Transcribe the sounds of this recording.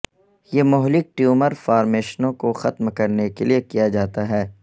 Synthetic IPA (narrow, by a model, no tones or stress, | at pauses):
jeːmʊɦlɪk̚ʈjuːməɾfaːɾmeːʃnõkoxɐt̪mkɐɾnekeliekijad͡ʒaːt̪aɦɛː